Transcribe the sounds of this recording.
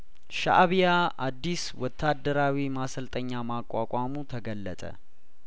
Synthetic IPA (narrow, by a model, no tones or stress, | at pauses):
ʃa̰ʔβijaʔad̪ːiswɔt̪ʰːad̪ːəɾawimasəlt̪ʼəɲːamakʼːakʷʼamut̪ʰəɡəlːət̪ʼə̰